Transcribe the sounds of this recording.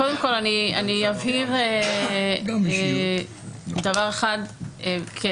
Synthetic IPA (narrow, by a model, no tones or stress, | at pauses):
kodemko̞lanianiaviʁe | davaʁeχad̪kʰe